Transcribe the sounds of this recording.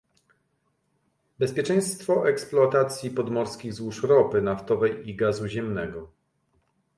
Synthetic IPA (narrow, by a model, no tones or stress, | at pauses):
bɛspʲjɛt͡ʂɛ̃j̃st̪fɔʔɛksplɔat̪at̪sʲjipɔd̪mɔɾskʲiɣzwuʂɾɔpɘnaft̪ɔvɛjiɡazuʑɛmnɛɡɔ